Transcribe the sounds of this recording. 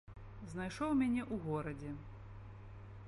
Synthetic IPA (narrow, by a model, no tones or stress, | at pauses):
znajʂɔwmʲanʲɛʔuɣɔɾɐd͡zʲɛ